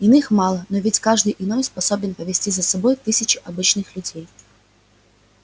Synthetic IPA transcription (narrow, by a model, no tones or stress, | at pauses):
ɪnɨxmalˠənovʲɪtʲkaʐd̪ɨjʔɪno̞jspɐso̞bʲɪnpəvʲɪsʲtʲizəsɐbo̞jt̪ɨsʲɪt͡ɕɪʔɐbɨt͡ɕnɨxlʲʉdʲej